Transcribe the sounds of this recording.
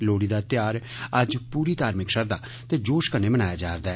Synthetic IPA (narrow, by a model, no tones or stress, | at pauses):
loːɽiːd̪aːt̪ɪjaːɾəd͡ʒpuːɾiːt̪aːɾmɪkʃəɾd̪aː | t̪eːd͡ʒoːʃkənːeːbənaːjaːd͡ʒaːɾd̪aːɛ